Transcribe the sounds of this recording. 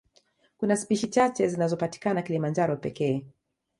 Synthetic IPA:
kunaspiʃit͡ʃat͡ʃɛzinazɔpati̥kanakilimand͡ʒaɾɔpɛkɛː

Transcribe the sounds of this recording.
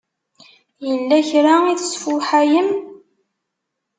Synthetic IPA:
jəlːæçɾaiθəsfʊħajəm

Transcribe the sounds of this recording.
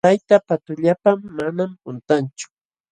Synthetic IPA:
ajt̪apat̪ʊʎapamːanampʊnt̪ant͡ʃʊ̥

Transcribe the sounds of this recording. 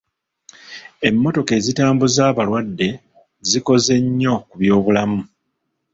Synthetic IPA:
e̞mːo̞to̞ke̞ːzitaːmbuzaːβalwadːe̞ | ziko̞ze̞ɲːo̞kuβjo̞ːβulamu

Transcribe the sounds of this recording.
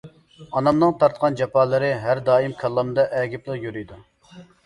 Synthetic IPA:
ɑnɑmnɨŋt̪ʰɑɾt̪qɑnd͡ʒɛpɑːlˠɨɾɨɦæɾd̪ɑːimkʲʰɛlˠːɑmd̪ɑʔɛɡʲiplˠəqjyɾyjd̪u

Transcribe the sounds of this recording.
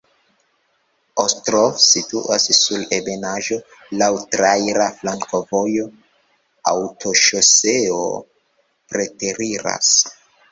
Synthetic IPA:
ostɾofsituʔasːulebe̞naʒo̞ | lawtɾajɾaflaŋko̞vo̞jo̞ | a̰wtʰo̞ʃoseo̰ | pɾe̞te̞ɾiɾa̰s

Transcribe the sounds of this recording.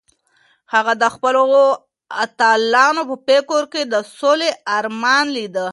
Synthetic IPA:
haɣad̪əxpəloo | at̪ɑlɑnopəpekoɾked̪əsoleaɾmɑnlid̪ə

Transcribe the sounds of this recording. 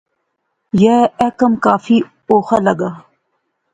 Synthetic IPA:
jeɛkəmkaːfi | oːxalɐɡaː

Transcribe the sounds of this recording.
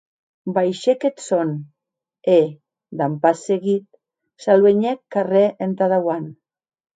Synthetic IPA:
bajʃeket̪son | e | d̪ampaseɣit̪̚ | salweɲekːareʔent̪aðawan

